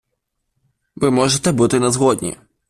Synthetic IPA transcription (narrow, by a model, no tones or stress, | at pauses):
vɨmɔʐɛt̪ɛbɨt̪ɨnɐzɣɔd̪̚ʲnʲɛ̰